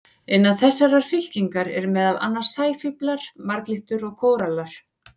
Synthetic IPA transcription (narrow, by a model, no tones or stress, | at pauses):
ɪnːaθɛsːaɾaɾ̥fɪl̥ciŋkaɾɛɾmɛːðala̰nːaɾ̥saːjfʏplaɾ̥maɾkliht̪ʏɾɔɣkʰoːwɾalaɾ̥